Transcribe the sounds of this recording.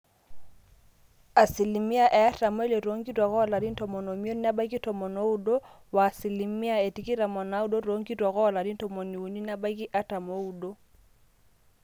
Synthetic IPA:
a˨si˨li˨mi˦a˦˨ʔɛ˨a˦ta˨mɔ˦ɛ˦le˨ɾo˨˦ŋɡi˦twa˨kɔ˦˨la˨ɾi˦n̩˦tɔ˨mɔ˨no˨mi˦o˦n˦na˦ba˦i˦ki˦tɔ˨mɔ˨no˦u˦˨do˦ | wa˨si˨li˨mi˦a˦˨ɛ˨ti˦ki˦ɾa˨mɔ˨na˦u˦do˦ɾo˨˦ŋɡi˦twa˨kɔ˦˨la˨di˦n˦tɔ˨mo˨ni˨u˨ni˦na˦ba˦i˦ki˦ʔa˦ta˨mo˦u˨do˦

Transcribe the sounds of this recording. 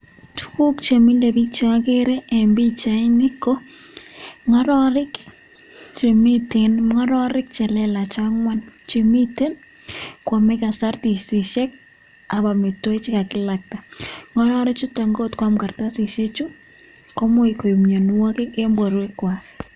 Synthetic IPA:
tu̥˦ku˦kt͡ʃe˨mi˦lde˨bi˦t͡ʃa˦a˦ke˦ɾɛ˦ɛ˨mbi˦t͡ʃa˨ɪ˦ŋɪ˦ko˦ | ŋɔ˦ɾɔ˦ɾɪ˦k | t͡ʃe˨mi˦tenŋɔ˦ɾɔ˦ɾɪ˦k̚t͡ʃɛ˨lɛ˦la˨t͡ʃaŋwa˦nt͡ʃe˨mi˦te˦n | kwɔ˨mɛ˦ka˨sa˦rti˨sɪ˨ʃɛ˦k̚ | a˨βa˨mɪ˨to˦ɪ˦t͡ʃɪ˦ka˨kɪ˦la˨k̚ta˨ŋɔ˦ɾɔ˦ɾɪ˦t͡ʃʊ˦ta˨ŋɡo˦tkwa˦mka˨rta˦si˨ʃe˦t͡ʃu˦ | kɔ˦mʊ˦i˨ko˨i˨mɲo˨n˦wo˦kɪ˦ke˦mbwo˨ɾwe˦kwa˨k

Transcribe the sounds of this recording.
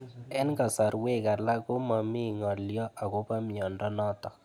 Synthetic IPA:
ɛ˦nka˨sa˨ɾwe˦ka˨la˦kʊ˦ma˨mɪ˦ŋɔ˨ljɔ˦ʔa˨kʊ˦pa˦mjɔ˨ndɔ˦nɔ˦t̪ɔ˨

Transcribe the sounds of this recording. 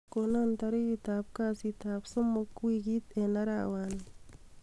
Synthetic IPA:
ko˧na˦nt̪a˧ɾi˦ji˧t̪a˧p̚ka˦si˧t̪a˧pso˦mo˧kwi˧ɡi˦t̪e˧na˧ɾa̰˦˧wa˧˨n

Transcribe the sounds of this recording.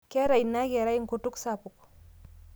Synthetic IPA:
kɛ˦ɾa˨jna˦ɡɛ˨ɾa˦ji˦ŋ˨ku˨tu˦ksa˦˨pu˨k

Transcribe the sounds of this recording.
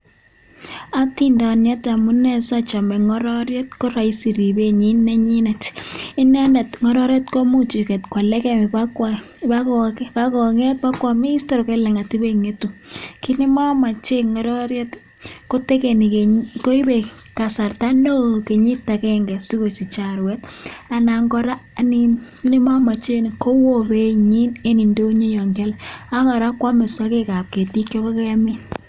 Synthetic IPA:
a˦k̚ti˦nda˨njɛ˦ta˨mu˦nɛ˦sa˦t͡ʃa˨mɛ˨ŋɔ˦ɾɔ˦ɾjɛ˦tko˦ɾa˨i˦si˨ɾi˨be˦ɲi˦nɛ˦ɲi˦nɛ˨tɪ˦nɛ˦nɛ˨tŋɔ˨˦ɾɔ˦ɾɛ˦tko˦mu˦t͡ʃi˨kɛ˨tkwa˨lɛ˦kɛ˦mi˨pa˦kwa˦ | pa˦kɔ˨kpa˦kɔ˨ŋɛ˦t̚pa˦kwa˨me˦i˦stɔ˦ɾke˦lɛ˨ŋa˨ti˦be˦ŋe˦tu˨ki˦ni˦ma˦ma˨t͡ʃe˦ŋɔ˨ɾɔ˦ɾjɛ˦tko˦te˦ke˨ni˨ke˨ko˦i˦be˨ | ka˨sa˨rta˦no˦ke˨ɲi˦ta˨kɛ˦ŋɡɛ˨si˦ko˨t͡ʃi˨t͡ʃa˨ɾwɛ˦t̚a˨na˨ŋɡɔ˦ɾa˦ni˦nki˦ni˦ma˦ma˨t͡ʃe˦n˨ko˦wo˦be˦ɲi˦ne˦ni˨ndo˦ɲe˦jɔ˨ŋɡa˦la˦ŋa˨ɾa˦kwa˦me˨sɔ˦ke˦ka˨p̚ke˨ti˦kjɔ˦ko˦ke˦a˦mi˦n

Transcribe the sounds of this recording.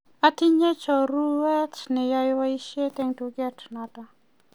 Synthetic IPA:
a˦t̪i˦ɲɛ˦t͡ʃɔ˨ɾu˦wɛ˦tnɛ˨ja˧jwa˦i˦ʃe˦t̪ɛ˦ŋtu˨ɡɛ˦tna˨ta˨

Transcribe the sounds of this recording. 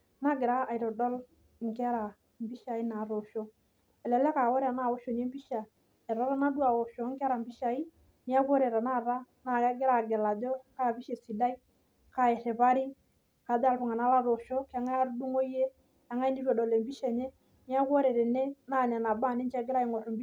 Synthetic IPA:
na˦ɡɪ˨ɾa˦a˨jɾɔ˨dɔ˦l | ŋ˨kɪ˦a˦ɾa˨ | mbi˦ʃa˨i˦na˨ɾo˨ʃo˦ | ɛ˨lɛ˨lɛ˦ka˨wɔ˦ɾa˨na˦˨wo˦ʃo˨ne˦mbi˦ʃa˨ | ɛ˨ɾa˨˦ɾa˦na˦du˦a˨wo˨ʃo˨˦ŋɡa˦ɾa˨mbi˦ʃa˨i˦ | ni˦a˦ko˦ɾe˨ɾa˨na˦˨ɾa˦na˨˦ɡɪ˦ɾa˦˨ɡɪ˨la˨do˦ka˦˨bi˦ʃe˨si˨da˦i˦ | ka˦ɪ˨ɾɪ˨pa˦ɾi˦ | ka˨da˦lpʊ˨ŋa˨na˦la˦ɾo˨ʃo˦ka˦ŋa˦ɾdu˦ŋo˦je˦ | a˨˦ŋa˦i˦ni˦ɾɔ˨dɔ˨le˨mbi˦ʃɛ˨ɲe˦ | ni˦a˦kwo˦ɾe˨ɾe˨ne˦na˦˨nɛ˨na˨ba˦˨nɪ˦nt͡ʃɛ˦ɡɪ˦ɾa˦ɪ˨ŋo˨ɾmb

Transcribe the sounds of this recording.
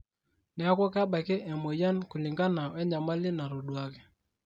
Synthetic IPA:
nɛ˨a˦kwɔ˦ka˦ɓa˨kɛ˦ʔɛ˨mɔ˨ja˦nkʊ˨li˨ŋɡa˦na˨wɛ˦ɲa˨ma˦lɪ˦na˨ɾo˨ɗwa˦kɛ̥˦

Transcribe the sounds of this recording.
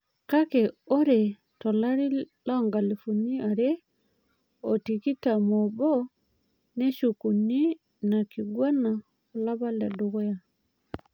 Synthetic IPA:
ka˦ke˨o˦ɾe˨ | tɔ˨la˦ɾi˦ | lɔ˦ŋɡa˨li˨fu˨ni˦a˨ɾe˦ | o˨ti˨ki˦ta˨mɔ˨bɔ˦ | ne˦ʃu˨ku˨ni˦ | na˨ki˨ɡwa˦na˨ | ɔ˨la˦ba˦la˨du˨ɣo˦ja˨

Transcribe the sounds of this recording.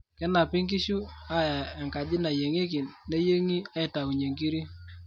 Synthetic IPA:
kɛ˦na˨pɪ˦ŋk̬ɪ˦ʃu˦a˦ja˨ɛ˨ŋka˨d͡ʒɪ˦na˨je˨ŋe˦kɪ˨nːe˦je˦ŋi˦a˦ɪ˨ta˨u˨ɲe˨ŋki˦ɾi˦

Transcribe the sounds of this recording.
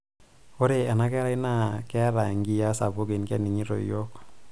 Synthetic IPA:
ko˦ɾe˨a˨na˦kɛ˦ɾa˦i˦na˦kɛ˦ɾa˨ŋɡi˦ja˦sa̰˨po˦ke˨nkɛ̰˦ni˨ɲi˦ɾo̰˨jo˦k

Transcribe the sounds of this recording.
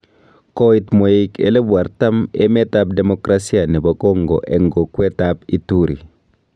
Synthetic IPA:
kɔ˦itmo˨i˨kḛ˨le˦bwa˨ɾta˦me˦mɛ˦ta˦p̚dɛ˨mokɾasi˦a˨nɛ˨ba˨kɔ˦ŋɡo̰˨ʔɛ˨ŋɡo˨kwɛ˦tapi˦tu˦ɾḭ˨

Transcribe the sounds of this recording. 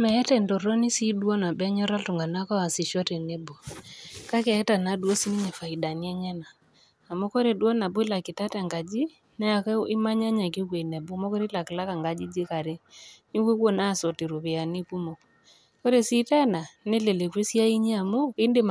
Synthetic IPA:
mɛ˨ɛ˦tɛ˨ndɔ˨ɾɔ˦ni˦si˦dwɔ˦na˨bɛ˦ɲɔ˦ɾa˦ltʊ˨ŋɡa˨na˦kɔ˦a˨sɪ˨ʃɔ˦te˨ne˦bo˨ka˦kɛ˨ɛ˦ta˨na˨dwo˦si˦ni˦ɲe˨fa˨i˨da˨ni˦ɛ˦ɲɛ˦naː˨ | mo˦ko˦ɾe˨dwɔ˦na˨bʊ˦ɪ˦la˨kɪ˨ta˦ta˨ŋɡa˨d͡ʒi˦ | nɛ˦a˨kɪ˦ma˦ɲa˦ɲa˨kɪ˦kwe˨nɛ˨bʊ˦mo˦ko˦ɾe˦la˨kɪ˨la˦ka˨ŋɡa˨d͡ʒi˦d͡ʒi˦ka˨ɾe˦ni˦kwe˦ko˦˨na˦˨sɔ˨ti˨ɾu˨pɪ˨a˨ni˦pu˦mo˨k | ko˦ɾe˨si˦tɛ˦na˨ne˦le˨le˨kwe˦sja˦i˦ɲi˦a˨mʊ˦ɪ˦nde˦m

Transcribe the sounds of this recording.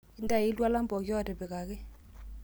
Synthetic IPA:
ɪ˦nda˦˨ɪ˦lwa˦la˦mbɔ˨kjɔ˦˨dɛ˨bɪ˨ka˨kɪ˦

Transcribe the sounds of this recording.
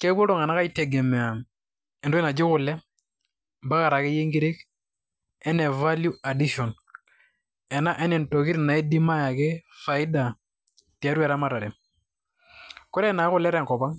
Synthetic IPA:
ke˦bo˦ɾo˦˨ŋa˨na˦ka˦i˦tɛ˨ɡɛ˨mɛ˨a˨ | ɛ˨ndo˦e˦na˨d͡ʒɪ˦kʊ˨lɛ˦ | mba˦ka˨ɾa˨kɪ˦je˦ŋɡi˦ɾe˦k | ɛ˦nɛ˨va˦lju˦a˨di˦ʃɔ˨n | ɛ˨na˦ʔɛ˦nɛ˨nto˨kɪ˦ɾna˨ɛ˦di˦ma˦ja˨kɪ˦fa˨ɪ˦da˨ | ti˨a˦ɾwa˨ɾa˦ma˨ta˨ɾɛ˨ | kʊ˦ɾɛ˦na˨˦kʊ˨lɛ˦ɾɛ˨ŋkɔ˨pa˦ŋ

